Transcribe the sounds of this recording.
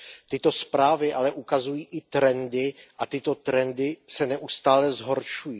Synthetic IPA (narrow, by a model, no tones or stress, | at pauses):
t̪ɪt̪o̞spɾaːvɪʔalɛʔukazujiːʔɪt̪ɾɛndɪʔat̪ɪt̪o̞t̪ɾɛndɪsɛnɛʔust̪aːlɛzɦo̞ɾʃujiː